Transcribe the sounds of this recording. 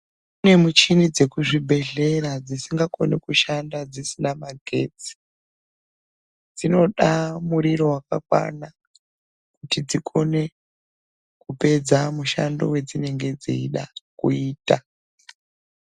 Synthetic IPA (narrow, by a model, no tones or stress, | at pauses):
une̞mut͡ʃinid͡ze̞kuʐibʱe̞ɮe̞ɾad͡zisiŋɡako̞̰nekuʃandad͡zisinamaɡʱe̞t͡si̥ | d͡zino̞ɗamuɾiɾo̞waka̰kwa̰na | kutid͡zikʰo̞ne̞ | kupe̞d͡zamuʃa̰ndo̞̰we̞d͡zine̞ŋɡe̞d͡zḭiɗa̰kṵiːta